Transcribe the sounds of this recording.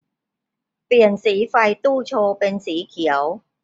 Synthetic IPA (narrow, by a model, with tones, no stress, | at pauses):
pi˨˩ənsiː˨˥fɐ˧jt̪uː˥˩t͡sʰoː˧pɛ˧nsiː˨˦˥kʰi˨˩ə˧w